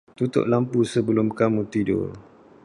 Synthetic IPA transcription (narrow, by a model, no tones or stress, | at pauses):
t̪ut̪ʊ̰ʔlampusəbəlʊmkamũt̪idʊ̰r